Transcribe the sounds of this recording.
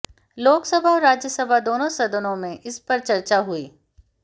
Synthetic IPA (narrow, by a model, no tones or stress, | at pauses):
loːksɐbʱaɔːɾaːd͡ʒjəsɐbʱad̪oːnõsɐd̪ənõmẽʔɪspɐɾt͡ʃɐɾt͡ʃaɦʊḭː